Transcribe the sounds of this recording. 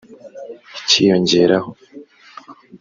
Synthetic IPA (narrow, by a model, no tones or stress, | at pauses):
cʰijo̞ɲɟe̞ːɾaho